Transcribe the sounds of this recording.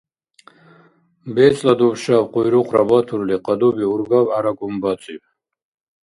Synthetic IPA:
bɛt͡sʼlad̪ubʃavqʼujɾuqʰɾabat̪ʰuɾliqʼad̪ubiuɾɡavaɾaɡumbat͡sʼiv

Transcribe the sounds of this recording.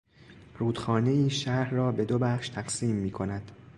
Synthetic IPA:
ruːd̪̥xɒːne̞iːʃæɾrɒːbe̞d̪obæχʃt̪ʰæɢsiːmːiːkʰo̞næd̪̥

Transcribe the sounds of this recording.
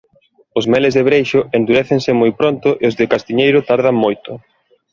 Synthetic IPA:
ʊzmɛlɪzðeβɾejʃʊend̪uɾɛθeŋsɪmojpɾont̪ʊʔɪozðɪkast̪iɲejɾʊt̪aɾðaŋmojt̪ʊ

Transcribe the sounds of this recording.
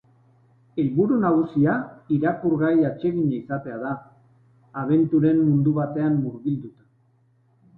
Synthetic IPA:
e̞lβuɾunaɣusiaiɾakuɾɣajat͡ʃe̞ɣiɲaisat̪e̞aðaː | β̞e̞nt̪uɾe̞mːund̪uβat̪e̞amːuɾβild̪ut̪ḁ

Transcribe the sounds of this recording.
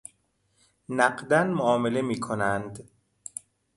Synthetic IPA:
næɢd̪ænmoɒːme̞le̞miːkʰonænd̪

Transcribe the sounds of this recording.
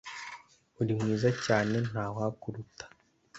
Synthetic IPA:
uɾimŋiːzacaːne̞naːwakuɾutḁ

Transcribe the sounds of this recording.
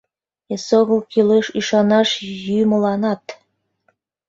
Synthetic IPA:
esoɣəlkileʃyʃɑnɑʃjymə̆lɑnɑt̪

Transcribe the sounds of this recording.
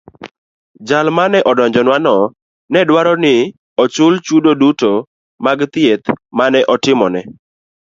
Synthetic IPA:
d͡ʒalmanɛʔɔdɔɲd͡ʒɔnwanɔ | nɛdwaɾɔnɪ | ɔt͡ʃʊlt͡ʃudoduto | maɡt̪ɪet̪manɛʔɔtɪmɔnɛ

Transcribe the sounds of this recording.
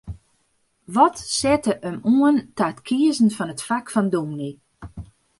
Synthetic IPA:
ʋɔtsɛtəʔəmuəntatkʰiəzn̩fɔnətfakfɔndumni

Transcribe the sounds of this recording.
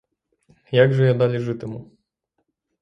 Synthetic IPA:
jaɡʐɛjɔd̪alʲiʐɘt̪ɘmu

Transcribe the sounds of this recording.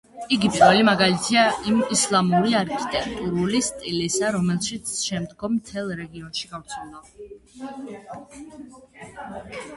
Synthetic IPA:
iɡipʼiɾvɛlimaɡalit̪ʰiaʔimislˠamuɾiaɾkʰi̥t̪ʼɛk̚ʼt̪ʼuɾulist̪ʼilisaɾɔmɛlˠʃit̪sʰʃɛmd̪ɡɔmːt̪ʰɛlˠɾɛɡiɔnʃiɡaft̪sʰɛlˠd̪a

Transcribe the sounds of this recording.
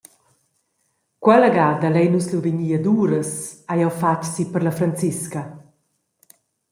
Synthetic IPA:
kwɛlaɡaːd̪alɛjnusluviɲiad̪uːɾəsajawfat͡ʃsipəɾlafɾant͡siskɐ

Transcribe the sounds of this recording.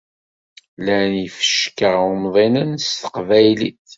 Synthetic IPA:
lænifə̥ʃkəʁʊmðˤinənst̪ə̥qvæjliθ

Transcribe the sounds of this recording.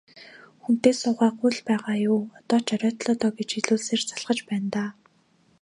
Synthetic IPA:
xun̥t̪eːsʊːʁæːɢujɮpæːʁaːjʊːɔt̪ɔːt͡ɕœɾʲɔːt̪ɮɔːt̪ɔːɡet͡ɕiɮuːɮseːrt͡saɮʁə̆t͡ɕpæːnt̪aː

